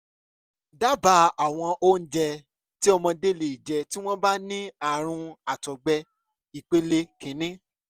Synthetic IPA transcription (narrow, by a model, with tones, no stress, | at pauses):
da˦ba˧˦a˨w̃ɔ̃˧ʔo˦n̩˦d͡ʒɛ˧ | ti˦ɔ˧mɔ̃˧de˦˨le˨i˨d͡ʒɛ˧ti˦w̃ɔ̃˦ba˦nĩ˦a˨ɾ̃ũ˧a˨tɔ˨ɡ͡bɛ˧ | i˨k͡pe˦le˧kĩ˨˦nĩ˦